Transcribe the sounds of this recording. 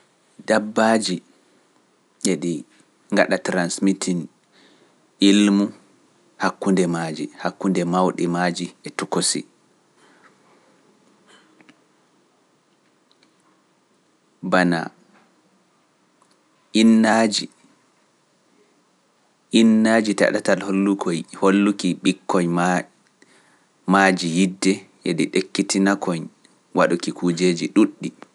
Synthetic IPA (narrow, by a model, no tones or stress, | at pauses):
dabːad͡ʒi | eɗi | ŋɡa̰ɗatɾansmitʰin | ʔilmu | hakːundɛmad͡ʒḭhakːundɛmawɗimad͡ʒiɛtukosḭ | bana̰ | ʔinːad͡ʒi | ʔinːad͡ʒita̰ɗatalholːukʰojholːukiɓikːɔɲm | mad͡ʒijidːɛ | ɛdiɗekːitinakɔɲ | waɗukikud͡ʒeːd͡ʒiɗuɗːi